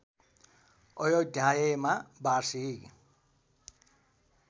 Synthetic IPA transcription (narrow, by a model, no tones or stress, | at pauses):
ɔjɔdajɛmabaʂiːki